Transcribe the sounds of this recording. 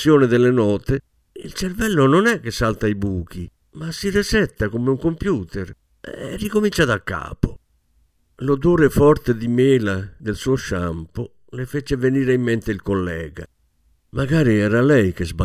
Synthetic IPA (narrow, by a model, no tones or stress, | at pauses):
jɔːnɛd̪ɛlːenɔːt̪e | ḭlt͡ʃeɾvɛlːononɛkːesalt̪aibuːk̟i | masːiresɛt̪ːakomeuŋkompjuːt̪ɛɾ | ɛ̰rːikomint͡ʃaðakːa̰ːpo | lod̪oːɾefɔɾt̪ed̪imeːlad̪elsuːoʃampʊ | lefet͡ʃɛveniːɾeimːɛnt̪eilkolːɛːɡa̰ | maɡaːɾiɛːɾalɛjkezba